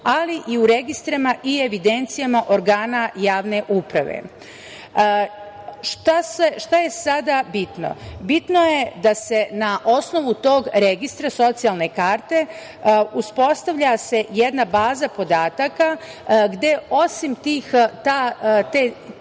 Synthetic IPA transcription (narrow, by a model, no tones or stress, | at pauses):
aliʔiuɾe̞ɡist̪ɾamaʔie̞ʋid̪ent̪sijamaʔo̞ɾɡaːnajaːʋne̞ʔupɾa̰ʋḛ | ʃt̪aseʃt̪aje̞sad̪abit̪no̰bit̪no̞je̞d̪ase̞naʔo̞sno̞ʋut̪o̞ːɡɾe̞ɡist̪ɾaso̞t̪sijalˠne̞kaːɾt̪e̞ | uspo̞st̪aʋʎase̞jed̪nabaːzapo̞d̪aːt̪aka | ɡd̪e̞o̞simt̪iːxt̪aːt̪e